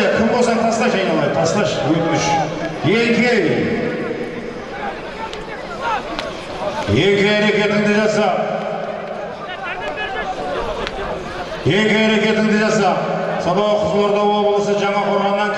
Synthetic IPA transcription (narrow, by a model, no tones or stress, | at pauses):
kʲʰɪmbosɑt̪ʰɑsq̪ɑʃɑjnɑlˠɑjd̪ət̪ʰɑsq̪ɑʃwɵt̪ɪʃje̞ŋkʲʰej | jeŋkʲʰjæɾe̞kʲe̞t̪ɪŋd̪ɪʒɑsɑ | jeŋkʲejæɾe̞kʲe̞t̪ɪŋd̪ɪʒɑsɑsɑb̪ɑwəqʰʊzlˠoɾd̪ɑwo̞bəlˠəsəʒɑɴɑqʰo̞ɾʁɑmʁɑŋʲ